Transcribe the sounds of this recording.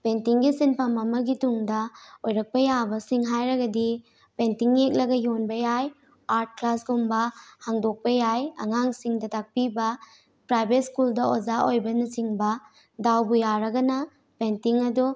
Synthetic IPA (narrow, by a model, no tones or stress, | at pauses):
pentiŋɡisinpʰamɐmɐɡituŋdɐojɾɐk̚pɐjabɐsiŋɦajɾɐɡɐdi | pentiŋjek̚lɐɡɐjonbɐjaj | aɾt̚klasɡumbɐhaŋdok̚pɐjajɐ̰ŋaŋsiŋdɐtak̚pibɐ | pɾajbet̚skuldɐozaʔojbɐnɐsiŋbɐ | dawbujaɾɐɡɐnɐ | pentiŋɐdu